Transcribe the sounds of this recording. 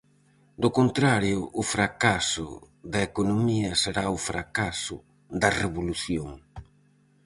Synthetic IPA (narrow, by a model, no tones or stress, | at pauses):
d̪okont̪ɾaɾjʊʔːfɾakasʊ̰ | ðɐekonomiɐseɾaʊfɾakasʊ | d̪ɐreβoluθjoŋ